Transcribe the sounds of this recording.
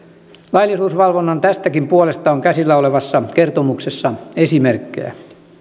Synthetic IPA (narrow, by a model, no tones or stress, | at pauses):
lɑilːisuːsʋɑlʋonːɑnt̪æst̪ækimpuolest̪ɑoŋkæsilːæoleʋɑsːɑkert̪omuksesːɑesimerkːḛjæ̰